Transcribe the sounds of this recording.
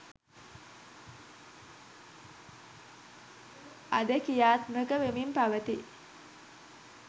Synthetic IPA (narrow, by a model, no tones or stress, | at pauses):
ad̪əkijaːt̪məkəʋemimpaʋət̪i